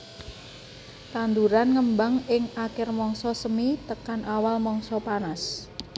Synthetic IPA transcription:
t̪and̪uɾanŋəmbaŋɪŋakɪrmɔŋsɔsəmit̪əkanʔawalmɔŋsɔpanas

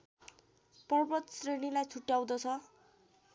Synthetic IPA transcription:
pʌrbʌt̪srenilajt͡sʰuʈːjaw̃d̪ʌt͡sʰʌ

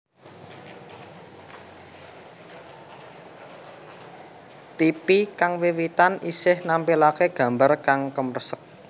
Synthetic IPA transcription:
t̪ipikaŋwiwit̪anisɪhnampilakeɡ̥ä̤mbarkaŋkəmərsək̚

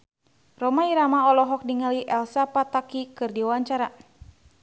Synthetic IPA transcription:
rɔmaiɾamaɔlɔɦɔk̚diŋaliʔɛlsapat̪akikɨrdiwawaɲt͡ʃaɾa

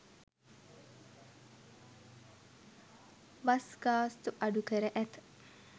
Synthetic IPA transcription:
ʋasɡaːst̪uʔaɖukəɾəʔæt̪

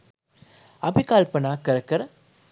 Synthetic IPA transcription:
ɐbikaːlpɐnaːkɐɾkɐɾ

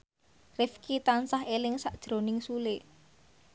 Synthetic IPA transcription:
rɪfkit̪ansaɦelɪŋsaʔd̥ʒ̥ɾo̤nɪŋsulɪʔ

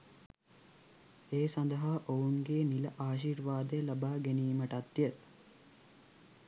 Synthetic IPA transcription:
eːsɐnd̪ɐɦaːʔouŋɡeːnilɐʔaːʃ̬iːɾʋaːd̪əjəlɐbaːɡeniːməʈɐt̪ːjə

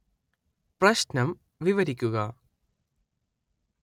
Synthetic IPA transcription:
prɐɕnɐm | ʋiʋɐɾikʲːuɣɐ

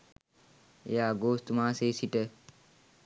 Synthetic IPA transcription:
jaːɡoːst̪umãːseːsiʈə

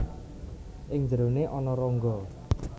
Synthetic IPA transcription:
ʔɪŋd͡ʒɾoneʔɔnɔɾɔŋɡɔ

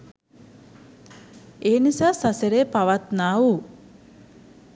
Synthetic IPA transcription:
eːnisaːsaseɾeːpaʋat̪naːu

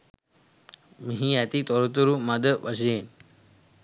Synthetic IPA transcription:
miɦiɛt̪it̪ɔɾut̪uɾumad̪əpasien

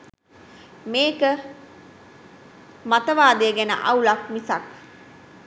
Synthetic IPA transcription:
meːkə | mat̪əʋaːd̪eːɡænə̰ʔɐwlak̚misak

